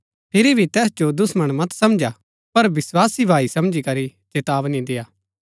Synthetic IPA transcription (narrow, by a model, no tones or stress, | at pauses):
pʰɪɾibʱit̪ɛːsd͡ʒod̪ʊsmɐɽ̃mɐt̪sɐmd͡ʒa | pɐɾbɪswaːsibʱaːisɐmd͡ʒikɐɾit͡ʃet̪aːʋnĩd̪ejaː